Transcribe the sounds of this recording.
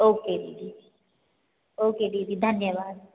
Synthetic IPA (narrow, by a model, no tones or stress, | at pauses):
oːked̪id̪i | oːked̪iːd̪id̪ʱənjəʋaːd̪